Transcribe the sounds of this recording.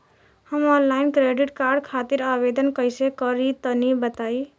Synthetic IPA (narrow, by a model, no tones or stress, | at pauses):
həmɔ̃laɪnkɾeɖiʈkaɾɖkʰat̪iɾabed̪ənkəjsekəɾit̪ənibət̪ai